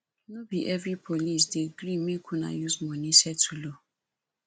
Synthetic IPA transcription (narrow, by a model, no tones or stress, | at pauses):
nobiʔɛvɾipʰolis̬deɡɾimĩkʰuna̰juzmɔ̃nĩsɛtʰulo